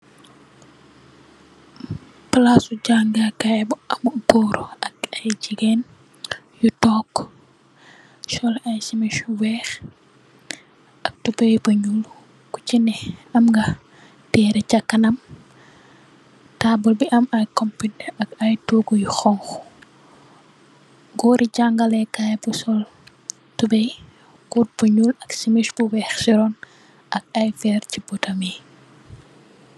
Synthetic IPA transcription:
plasud͡ʒaŋɡakajbɐmubɔːɾuɐkɐjd͡ʒiɡɛn | jutɔːkː | ʃɔlɐjsimiʃwɛːx | ɐk̚tubejbɐɲuŋɡu | kut͡ʃinɛɐmŋɡɐ | tɛːɾɛcakːɐnɐm | tabɔlbiʔɐmajkɔmpitɐkajtuɡujxɔŋx | ɡɔːɾʔiɟaŋɡalɛkajbusɔl | tubɛj | kut̚buɲulɐksimiʃbuwɛxsiɾɔn | ʔɐk̚ajfɛɾcibɔtami

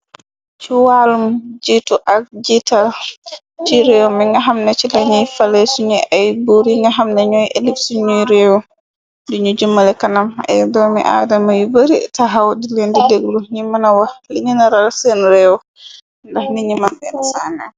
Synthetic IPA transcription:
t͡ʃuwalumd͡ʒituʔak̚d͡ʒital | t͡ʃiɾɛwɔmiŋɡaɦamnat͡ʃilaɲifalɛsuɲɛʔajbuɾiŋɡaɦamnaɲɔjʔelipsuɲuɾɛwɔ | duɲud͡ʒumːalɛkanamɛ̰dɔmḭʔa̰ːdamajuboɾḭtaɦawdilendideɡluɲimːanawaliɲinaɾalsɛnɾɛwɔ | ndahniɲimanbɛnsana

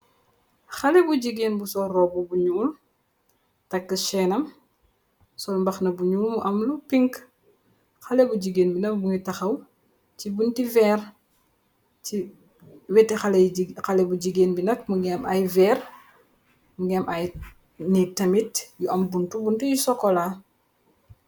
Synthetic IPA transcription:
xɐlɛbuɟiɡeːnbusɔrɔbubuɲumum | tɐkːəʃɛːnɐm | sɔlmbɐxnɐbuɲumumʔɐmlupiŋk | xɐlɛbuɟiɡeːnbinɐkbuɲutɐxɐw | cibuntivɛːr | ci | wɛtːɛxalxalɛbuɟiɡeːnbinɐk̚muɡɛmɐjvɛːr | muɡɛmʔaj | nitɐmitjuʔɐmbuntubuntujusɔkːɔla

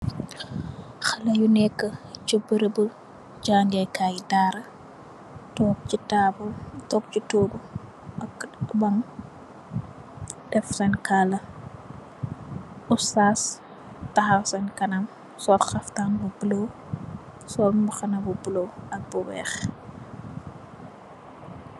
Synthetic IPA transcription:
xɐlɐjunɛkːɐt͡ʃubəɾəbu | d͡ʒaːndiɐjkaːjdaːɾɐ | tɔːk̚t͡ʃitaːbultɔːk̚t͡ʃitoːɡu | ɐkbɐn | dɛfsɐnkalɐ | usaːs | tɐɦɐwsɐnkɐnɐm | sɔːtxɐftanbubulo | sɔlmuxɐnɐbubuloɐk̚buwɛ̰ːx

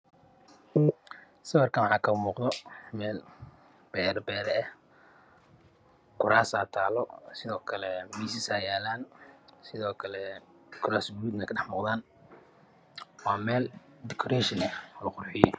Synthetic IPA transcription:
sɐwɐrkʰɐnwħɑːkʰɐmuːqd̪ɔmɛːl | b̥ɛːɾbɛːɾɛɛh | kʰʊɾaːsaːt̪ʰaːlɔsɪðɔːkʰɐlɛmiːsɪsaːjaːlaːnsɪðɔːkʰɐlɛ | kʰʊɾaːsɡʊɾuːd̪mɛkʰɐɖɛħmʊːqðaːn | wɑːmɛːl | d̪ɛkʰɔɾɛːʃɪnɛɔːlɐqʊrħɪjɔ

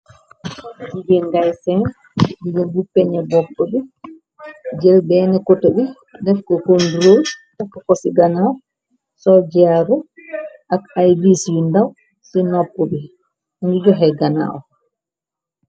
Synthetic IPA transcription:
diɡɛnɡajsɛn | diɡɛnbupːɛɲɛbɔpːɔbi | d͡ʒɛlbɛːnɛkotobi | dɛfkɔkonduɾotakːɔkɔsiɡana | sɔd͡ʒaɾɔ | akajbiswindaw | sinɔpːɔbi | nɡid͡ʒɔɦɛɡana̰ɔ

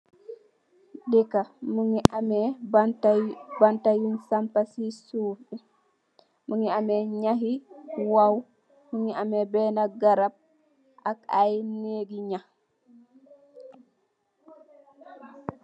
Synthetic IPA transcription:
dɛkamuŋiamɛ | bantajinsampasisuːpi | muŋiamɛɲaɦiwaw | muŋiamɛbɛːnaɡaɾab̚ | ʔakajneːɡiɲa

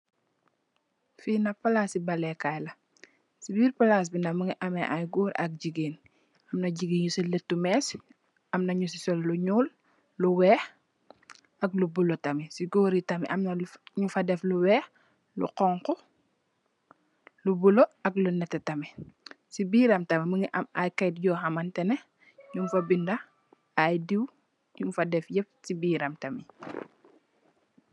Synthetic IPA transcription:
finɐpalaːsibɐlɛkajlɐ | sibiːɾpalas̬binamuŋiʔɐmɛʔajɡuːɾʔɐk̚ɟiɡiːn | ɐmnɐɟiɡiːɲusiletːumɛːs | ɐmnɐɲusisɔlluɲuːlː | uwɛːx | ɐk̚lubulotɐmisiɡoːɾitɐmḭʔɐmnɐɲufadɛfluwɛːx | lṵqɔŋkɔ | lubuloɐklunɛtːɛtɐmisibiːɾɐmtɐmiməŋiʔɐmajkɛjt̚ɟɔːxamantɛnɛ | ɲumfɐbindɐ | ajdiw | ɲufadɛfjɛp̚sibiːɾɐmtɐmi

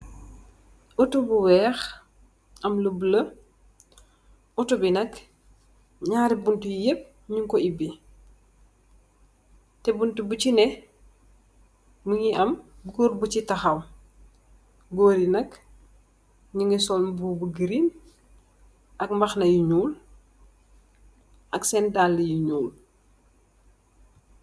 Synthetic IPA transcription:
utubuwɛːx | ɐmləbələ | utubinɐk | ɲaːɾibuntujep̚ | ɲuŋkɔibi | tɛbuntubucinɛ | muɲiʔɐmɡɔːɾbut͡ʃitɐxɐw | ɡoːɾinɐk | ɲuŋɡisɔlbubuɡiɾin | ɐkmbɐxnɐjuɲuːl | ʔɐksɛndalːijuɲuːl

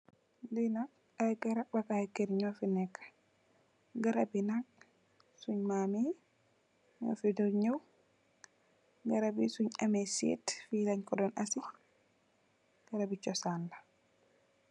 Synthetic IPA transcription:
dujnak̚ | ajɡaɾabakaɛkɛɾɲɔfinɛkːḁ | ɡaɾabinak̚ | suɲmami | ɲɔ̰fiduɲɔw | ɡaɾabisuɲamɛsḭtfilaɲkɔdɔnʔasi | ɡ̥aɾabit͡ʃɔsanda

